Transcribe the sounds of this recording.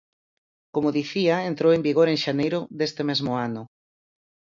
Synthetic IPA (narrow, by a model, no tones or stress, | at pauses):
komoðiθiaent̪ɾowembiɣoɾeŋʃanejɾʊðest̪emezmʊanʊ